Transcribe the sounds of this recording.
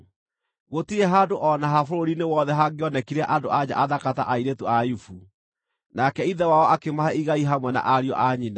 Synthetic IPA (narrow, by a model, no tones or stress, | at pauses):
ɣotieɦandoʔɔnaɦafoɾoɾinewɔðɛɦaɡeɔnɛkiɾaʔandoad͡ʑa̰ʔaðakata̰ʔaiɾetoajufu | nakɛiðɛwaɔʔakemahɛiɣaiɦamwɛna̰ʔaɾiɔ̰ʔaɲina